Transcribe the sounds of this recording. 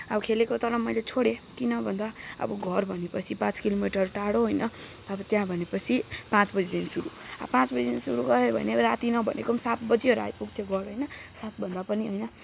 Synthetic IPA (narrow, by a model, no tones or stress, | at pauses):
ʌbʌkʰelekot̪ʌɾʌmʌjlet͡sʰoɽekinʌbʱʌnd̪aʌ̰bʌɡʱʌrbʱʌnepʌt͡sʰipãt͡skilomiʈʌrʈaɽoɦojnʌʌbʌt̪jãbʱʌnepʌt͡sʰipãt͡sbʌd͡zid̪insuɾṵ | ʌ̰pãt͡sbʌd͡zid̪insuɾuɡʌɦebʱʌ̰neɾat̪inʌbʱʌ̰nḛkomsat̪bʌd͡ziɦʌɾua̰jpuɡ̚t̪ʰjoɡʌɾɦojnʌsat̪̚bʱʌnd̪apʌniɦʌjnʌ